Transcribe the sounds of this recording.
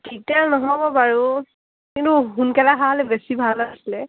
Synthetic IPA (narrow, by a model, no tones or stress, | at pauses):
kitanɔɦɔbɔpaɹu | kintuɦunkɛlaɦaɦɔlɛbesibʱalasilɛ